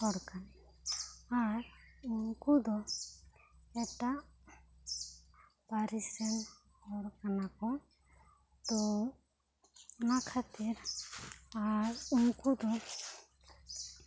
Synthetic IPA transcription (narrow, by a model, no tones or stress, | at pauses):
ɔɽkan | aɾuŋkud̪ɔ | ɛʈaʔ | paɾisɛn | ɔɾkanakɔ | t̪ɔ | nakʰat̪iɾ | aɾuŋkud̪ɔ